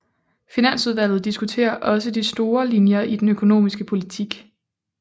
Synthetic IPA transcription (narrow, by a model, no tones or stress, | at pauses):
finæn̰suðˠʋæl̰ð̩ˠd̥isɡ̥ut͡sʰe̝̰ːɐʔɒ̽səd̥isd̥o̝ːɐlinjɐʔid̥enøkʰo̝no̝̰ːmisɡ̥əpʰo̝lit͡sʰiɡ̥